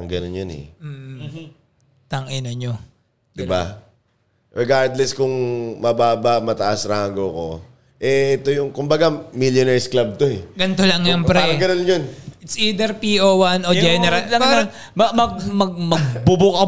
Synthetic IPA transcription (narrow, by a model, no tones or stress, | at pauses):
ɐŋɡɐnonjonɛ̰m̩ː | t̪ɐŋʔɪnoɲo | d̪ɪba | ɹɪɡaɹd̪lɛskʊŋmɐbaːbamɐt̪ɐʔasɾaːɡoko̞ | ʔɛʔɛt̪ojʊŋkʊmbɐɡamiljonɛɹsklab̚t̪oɛɡɐnt̪olɐŋːjoŋpɾɛɐɡɐnonjonʔɪt̪siːd̪ɛɾpiʔowanʔod͡ʒɛnɛɾɐllɐɐ | mɐmɐɡmɐɡ̚mɐɡ̚bʊbʊkɐ